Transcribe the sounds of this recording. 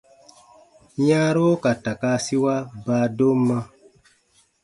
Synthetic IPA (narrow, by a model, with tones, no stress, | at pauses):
jã˦ɾo˦ka˨ta˨ka˧˦si˦wa˦baː˦do˦mːã˦